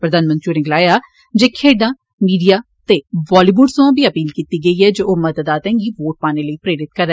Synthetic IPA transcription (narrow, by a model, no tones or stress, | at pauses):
pɾəd̪aːnmə̃nt̪ɾiuːɾɪɡlaːjaː | d͡ʒeːkʰeːɖãː | miːɖijaː | t̪eːʋɔːliːʋuːɖsoãːbiːəpiːlkiːt̪iːɡəiːɦɛːd͡ʒoːoːməd̪əd̪aːt̪ɛ̃ːŋɡiːʋoːʈ̚paːneːləiːpɾeːɾɪt̪̚kəɾɛː